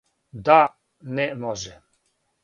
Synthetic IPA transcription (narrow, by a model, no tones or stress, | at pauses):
d̪a | nɛmɔʒɛ